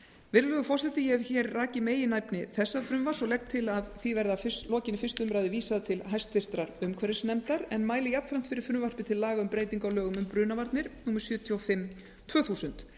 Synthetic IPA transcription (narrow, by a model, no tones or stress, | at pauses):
vɪɾlœɣʏfɔrsɛt̪ɪjɛvçɛːɾraːcɪmeːjɪnajpnɪθɛsːaðfɾʏmvar̥sɔlɛxt̪ʰːɪlaðθivɛɾðafʏlɔːcɪnɪfɪst̪ʏmɾaːjðɪviːsaðat̪ʰɪlɦajst̪fɪr̥t̪ɾaɾʏmkʰvɛɾɪsnɛmt̪aɾɛnmaːjlɪjapnfɾam̥t̪fɪɾɪɾ̥fɾʏmvar̥pɪt̪ʰɪlːaːɣaʏmpɾeːjt̪iŋkawlœːɣʏmʏmpɾʏːnavaɾt̪nɪɾ̥nuːmɪ̥ɾsjœːt̪ʰjɔɔfɪm | t̪ʰvœːθuːsʏnt̪